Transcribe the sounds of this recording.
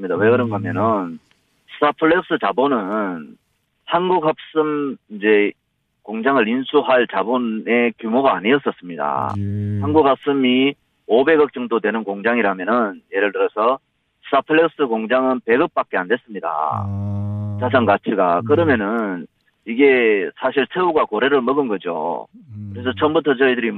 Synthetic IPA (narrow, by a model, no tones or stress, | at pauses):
ɲidawe̞kɯɾʌnɡamjʌnɯn | sɯ̥apʰɯɭːek̚s͈ɯt͡ɕabonɯn | hanɡukɦhap̚s͈ɯmind͡ʑe̞ | koŋd͡ʑaŋɯɾinsʰuɦaɭt͡ɕabone̞kjumoɡaːɲiʌs͈ʌs͈ɯmɲida̰hanɡuɡ̚hap̚s͈ɯmi | obe̞ɡʌk̚t͡ɕ͈ʌŋdodwe̞nɯnkoŋd͡ʑaŋiɾamjʌnɯnje̞ɾɯɭtɯɾʌsʰʌ | sʰapʰɯɭːeks͈ɯkoŋd͡ʑaŋɯnpe̞ɡɯp̚p͈ak͈̚e̞andwe̞s͈ɯmɲida̰ | t͡ɕasʰaŋɡat͡ɕʰiɡa̰kɯɾʌmjʌnɯn | iɡe̞sʰaɕʰiɭsʰeuɡakoɾe̞ɾɯɭmʌɡɯnɡʌd͡ʑo̰kɯɾe̞s̬ʰʌt͡ɕʰʌmbutʰʌt͡ɕʌidɯɾi